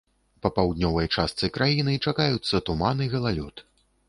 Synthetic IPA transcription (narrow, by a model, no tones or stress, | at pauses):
pɐpawd̪ʲnʲɔvɐjt͡ʂast̪sɨkɾʔajinɨt͡ʂakajut̪sːɐt̪umanɨɣɐlˠalʲut̪